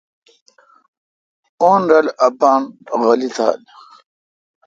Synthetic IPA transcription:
oːnɾɐlɐbaːnɣɐlit̪ʰa̰ːl

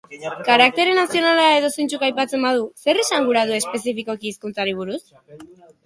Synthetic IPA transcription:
kaɾak̚t̪e̞ɾenasio̞nalae̞ðo̞sejnt͡sukajpat͡se̞mbað̞use̞risaŋɡuɾaðue̞spe̞sifiko̞kiːskunt͡saɾiβ̞uɾus

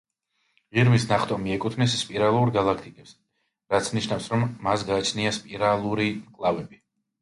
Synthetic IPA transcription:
ʁiɾmisnaχt̪ʼɔmiɛkʼut̪ʰnɛsspʼiɾalˠuɾɡalˠakʰt̪ʼikʼɛps | ɾat̪sʰniʃnafsɾɔmːasɡaːt͡ʃʰniaspʼiɾalˠuɾimkʼlˠavɛbi

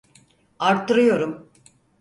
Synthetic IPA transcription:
aɾt̪ːɯɾɯjo̞ɾum

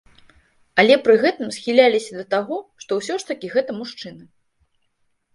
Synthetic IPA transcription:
ɐlʲɛpɾɨɣɛt̪ɨmsxʲilʲalʲisʲɐd̪ɐt̪aɣɔʂt̪ɔwsʲɔʂt̪ɐkʲiɣɛt̪ɐmuʂt͡ʂɨnɨ

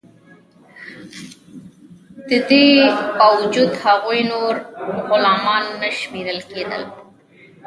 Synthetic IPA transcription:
d̪̥əd̪ebɑwʊd͡ʒud̪haɣujnoɾɣʊlɑmɑnːaʃmeɾəlked̪ə̰l

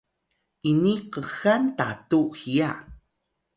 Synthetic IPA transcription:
ʔiniqəxantatuhija

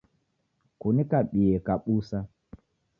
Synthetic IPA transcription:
kunikaɓiɛkaɓusa

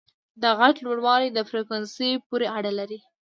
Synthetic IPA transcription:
d̪əɣaʈlwoɽwɑlid̪əfɾekwansəjpuɾeaɽalaɾi

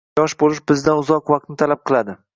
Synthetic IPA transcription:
ɒʃbolɪʃbɪzd̪aʊzɒqvaq̚t̪nɪt̪ʰalap̚qʰɨlˠad̪ɪ

